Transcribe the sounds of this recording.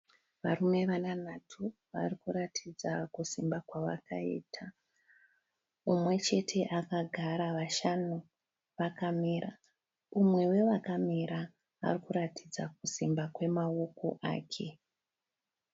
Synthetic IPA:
ʋarume̞ʋananatʰu | ʋa̰rikuɾatʰid͡zakusimbakwaʋa̰kaḭːtʰa | umwe̞t͡ʃe̞tʰe̞ʔakaɡʱaɾaʋaʃanu | ʋakamiɾa | umwe̞we̞ʋakamiɾa̰ː | rikuɾatʰid͡zak̚usimbakwe̞mao̞ko̞̰ʔa̰ːkʰe̞

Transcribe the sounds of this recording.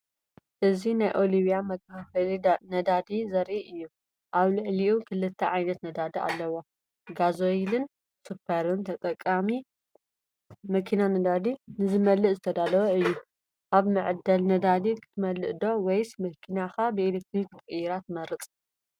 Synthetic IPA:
ʔɨzinajʔo̞liβijamɐkʰaɐlinɐd̪ad̪izɐɾʔiʔɨjːu | ʔaβlɨʕliʔukʰɨlɨt̪ʰːɐʕajnɐt̪nɐd̪ad̪ɐa̰lːɐwo | ɡazoilɨn | supʰːɐɾɨnt̪ʰɐt̪ʼɐkʼːami | mɐkʰinanɐd̪ad̪inɨzɨmɐlːɨʔzɨt̪ʰɐd̪alɐwɐɨjːu | ʔaβmɨʕɨd̪ɐlnɐd̪ad̪ikʰɨ̥t̪ʰɨmɐlɨʔd̪o̞wɔjsmɐkʰinaxabɨelek̚t̪ʰɾikʰɨt̪ʼɨjɪɾat̪mɐɾɨt͡sʼ

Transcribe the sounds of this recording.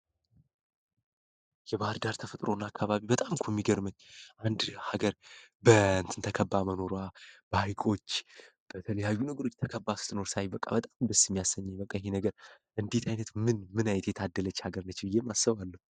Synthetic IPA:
jɛβahɨɾd̪aɾt̪ʰəfət̪ʼɾo̞nːakʰːaβaβibət̪ʼamkʰumːiɡəɾməɲːʔand̪haɡəɾbəɨnt̪ʰɨnt̪ʰəkʰəbːaməno̞ɾwab̥əhajkʼo̞t͡ʃː | b̥ət̪ʰələjajːunəɡəɾo̞t͡ʃːt̪ʰəkʰəbːasɨ̥t̪ʰːɨno̞ɾsajbəkʼa̰bət̪ʼambəsːijɛmːijasːəɲːjɛbəkʼːajɦenəɡəɾ | ʔɨnd̪et̪ʰajnət̪mɨnmɨnajɛt̪ʰjɛt̪ʰad̪ːələt͡ʃːhaɡəɾnət͡ʃːbɨjːemːasːəβalːəhu

